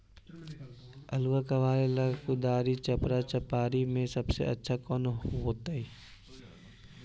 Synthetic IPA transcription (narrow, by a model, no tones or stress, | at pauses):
əlwakaʋaːɾeləkud̪aːɾit͡ʃəpɾat͡ʃəpaːɾimẽsɐbsḛʔɐ̰tːʃʰakɔːnɦoːt̪aɦi